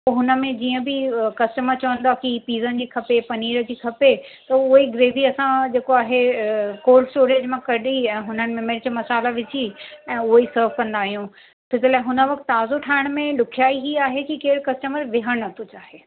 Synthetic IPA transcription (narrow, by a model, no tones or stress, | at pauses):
oɦʊnə̆mẽd͡ʑiːə̃bɪkɐsʈəməɾt͡ɕɐʋə̃nd̪aːkipiːzənd͡ʑiːkʰɐpepɐniːɾəd͡ʑiːkʰɐpet̪ɐʊɦiɡɾeːʋiɐsãd͡ʑeːkoaːɦekoːɾlsʈoːɾeːd͡ʑmẽkɐɗiɛ̃ːɦʊnənɪ̆meməɾt͡ɕomɐsaːlaʋɪt͡ɕiɛ̃ːʊɦisəɾʋkɐ̃nd̪aːɦijũ | pʰɪsɪlaːɪɦʊnə̆ʋɐkt̪ːaːzoʈʰaːɪɽ̃mẽlʊkʰijaːiɦiaːɦekikeːɾkɐsʈəməɾʋɪɦəɽ̃ɐt̪ʰot͡ɕaːɦeː